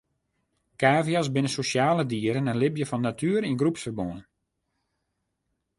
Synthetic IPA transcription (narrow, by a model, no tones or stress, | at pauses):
kaːvijas̬bɪnəsosjaːlədiəɾənənlɪbjəfɔnːatʰyːəɾinɡrupsfərbonən